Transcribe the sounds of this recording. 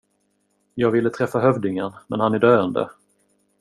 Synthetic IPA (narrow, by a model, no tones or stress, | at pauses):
jɑːɡvɪlːət̪ʰɾɛfːaɦœvd̪ɪŋənmɛ̰nhanæɖøːənd̪ə̰